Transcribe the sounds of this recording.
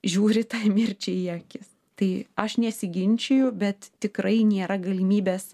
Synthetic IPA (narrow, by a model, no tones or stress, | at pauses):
ʒʲuːɾʲɪt̪ɑɪmʲɪɾʲt͡ʃʲɛɪiɛkʲɪs | t̪ɐɪɐʃnʲɛsʲɪɡʲɪnʲt͡ʃʲɛjʊbʲɛt̪t̪ʲɪkɾɐɪnʲeːɾɐɡɐlʲimʲiːbʲeːs